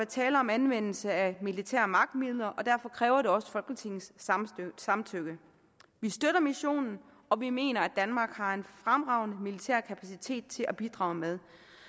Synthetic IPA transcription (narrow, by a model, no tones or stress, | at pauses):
ʋæɐt͡sʰɛːləɒ̽mænʋen̰l̩səæmilit͡sʰæ̰ɐmɑ̈ɡ̥̚d̥miðˠlɐʔɒ̽d̥æɐfɒ̽kʰʁɛːʊɐɾe̝ɒ̽sə̥fɒ̽lɡ̥ət͡sʰe̝ŋ̰n̩s | sɑ̈mt͡sʰøɡ̥ə | ʋisd̥øɾɐmiɕo̝̰ːnn̩ | ɒ̽ʋime̝̰ːnɐæd̥ænmɑ̈ːɡ̥hɑ̈e̝nfʁamʁɑ̈ʊnəmilit͡sʰæ̰ɐ̰kʰæpʰæsit͡sʰe̝̰ːd̥̚t͡sʰe̝lʔæb̥id̥ʁɑ̈ʊmeð̞ˠ